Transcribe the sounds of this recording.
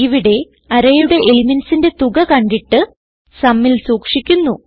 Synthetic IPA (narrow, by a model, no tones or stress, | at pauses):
iʋiɽe̞ | ɐɾɐjuɽe̞ʔelimensinde̞t̪uɡɐkɐɳɖiʈːɨ | sɐmːilsuːkʂikʲːunːu